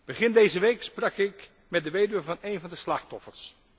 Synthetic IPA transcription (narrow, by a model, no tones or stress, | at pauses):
b̥əχɪndejzəʋejksprɑkɪk | mɛdəʋejdyəvɑnejnvɑndəslɑχtɔfəɹs